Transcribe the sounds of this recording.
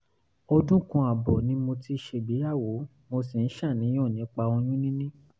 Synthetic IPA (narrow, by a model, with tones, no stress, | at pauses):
o˧dũ˦kũ˧a˨bɔ˨nĩ˨˦mo˧ti˧˦ʃe˧bi˨˦ja˦˨wo˨˦ | mo˧si˨n̩˦ʃã˦˨nĩ˨˦j̃ɔ̃˦˨nĩ˨˦k͡pa˧o˧j̃ũ˦nĩ˦nĩ˦